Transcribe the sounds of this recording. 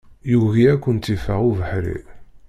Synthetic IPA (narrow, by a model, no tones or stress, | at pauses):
juɣiækʷːənt̪ifaʁuvəħɾḭ